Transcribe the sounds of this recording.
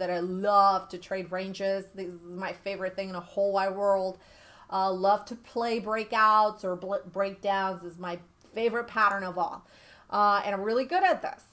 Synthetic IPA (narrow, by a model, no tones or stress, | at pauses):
ðɨɾaɪlʌv̥tʰɨtʰɹ̥eɪd̚ɹẽɪ̃nd͡ʒɪzðɪzzmaɪfeɪvə˞ɨt̪̚θɪ̃ŋɨ̃nðəhoʊlˠwaɪwɜ˞lˠd̥ | ʔʌlʌv̥tʰɨpʰl̥eɪbɹeɪkaʊtsə˞bbɹeɪk̚d̥ãʊ̃nzɨzmaɪ | feɪvə˞ɨt̚pʰæɾə̃˞nʌvɔ̰lˠ | ʔʌɨ̰̃ñãɪ̃mɹɪlˠiɡʊɾɨt̪̚ðɪ̰s